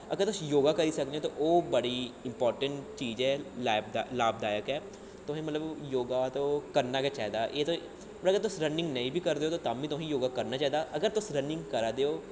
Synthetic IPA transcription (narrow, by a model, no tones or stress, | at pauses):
əɡəɾt̪ʊsjoːɡaːkəɾiːsək̚d̪eoːt̪oːʔoːbəɽiːɪmpɔːɾʈəɳʈt͡ʃiːd͡ʒɛːlaːbd̪alaːb̚d̪aːjəkɛː | t̪ʊɦẽːmət̪ləbjoːɡaːt̪õːkəɾnaːkɛːt͡ʃaːɦd̪aːʔeːt̪õː | mət̪əɡəɾt̪ʊsɾənɪ̃ŋɡnəĩːbʱiːkəɾd̪eːoːt̪oːt̪aːmiːt̪ʊɦĩːjoːɡaːkəɾnaːt͡ʃaːɦiːd̪aːʔəɡəɾt̪ʊsɾənɪ̃ŋɡkəɾad̪eːoː